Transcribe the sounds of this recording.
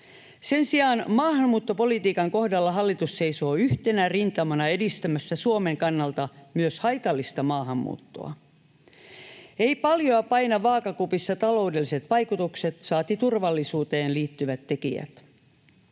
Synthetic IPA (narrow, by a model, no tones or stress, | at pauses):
se̞nsiɑːnmɑːhɑmːuːt̪ːo̞po̞lit̪iːkɑŋko̞hdɑlːɑɦɑlːit̪usːe̞iso̞ːyht̪e̞nærint̪ɑmɑnɑe̞dist̪æmæsːæsuomeŋkɑnːɑlt̪ɑmyøshɑjt̪ɑlːist̪ɑmɑːɦɑmːṵːt̪ːo̞̰ɑ̰ | e̞jpɑljoɑpɑjnɑʋɑːkɑkupisːɑt̪ɑlo̞udelːise̞t̪ʋɑjkut̪ukset̪sɑːt̪it̪urʋɑlːisuːt̪e̞ːnliːt̪ːyʋæt̪ːe̞kḭæ̰t̪